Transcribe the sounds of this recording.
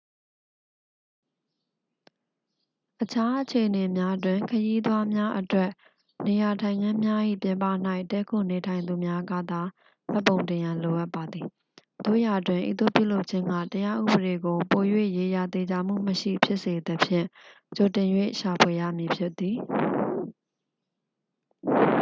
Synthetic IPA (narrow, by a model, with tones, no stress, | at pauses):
ʔət͡ɕʰa˦ʔət͡ɕʰe˨ʔəne˨mja˦dwɪ̃˨ŋkʰəji˦d̪wa˦mja˦ʔətwɛ˦ʔ | ne˨ja˨tʰã˨ɪ̃ŋã˦mja˦ʔḭ˦˨pjɪ̃˨mpa̰˦˨n̥a˦ɪʔtɛ˦kʰo˦˨ne˨tʰã˨ɪ̃nd̪u˨mja˦ɡä̰˦˨d̪a˨ | m̥ɛ˦˨pːõ˨ʊ̃ntɪ̃˨jã˨lo˨ʔa˦pːa˨d̪ði˨ | d̪̥o̰˦˨ja˨dwɪ̃˨ʔḭ˦t̪o̰˦˨pjṵ˦˨lo˦ʊʔt͡ɕʰɪ̃˦ŋɡä̰˦˨təja˦ʔṵ˦˨bəɾe˨ɡo˨po˨jwḛ˦˨je˨ja˨t̪e˨d͡ʑa˨m̥ṵ˦˨məʃḭ˦˨pʰjɪ˦ʔse˨d̪əpʰjɪ̰̃˦˨ | t͡ɕo˨tɪ̃˨njwḛ˦˨ʃa˨pʰwe˨jä̰˦˨mji˨pʰjɪ˦t̪ːi˨